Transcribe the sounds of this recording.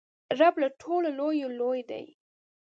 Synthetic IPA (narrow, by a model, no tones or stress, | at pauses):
ɾablaʈʰololojolojd̪a̰j